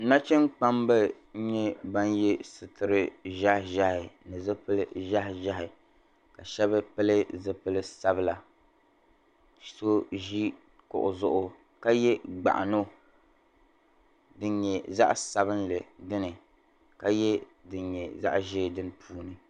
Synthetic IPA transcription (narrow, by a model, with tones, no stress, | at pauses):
na˦t͡ʃɛ˦nk͡pa˦mbɨ˦ | ɲɛ˦ba˦njɛ˦sɨ˨tɨ˨ɾɨ˦ʒa˦hʒa˦hɪ˨nɨ˨zɨ˦pɨ˦lɨ˦ʒa˦hɪ˨ʒa˦ɦɪ˨ | ka˨ʃɛ˦bɨ˦pɨ˦lɨ˦zɨ˦pɨ˦lɨ˦sa˦bɨ˦la˨ | so˦ʒi˦ | kʊ̰˨ʔʊ˨zʊ˦ʔʊ˦ | ka˦jɛ˦ɡ͡ba̰˨ʔa̰˨no˦˨ | dɨ˦ɲɲɛ˨za˦ʔsa˨bɨ˦nlɨ˨dɨ˦nɨ˨ | ka˦jɛ˦dɨ˨nɲɛ˨za̰˦ʔʒe˦˨dɨ˦n˦pʰuː˦nɨ˨